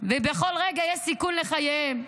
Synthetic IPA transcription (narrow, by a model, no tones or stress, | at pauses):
vebeχo̞lʁeɡajeʃsikunleχajem